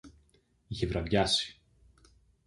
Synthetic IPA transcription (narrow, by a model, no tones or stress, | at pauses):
ʝivɾɐvjɐsi̥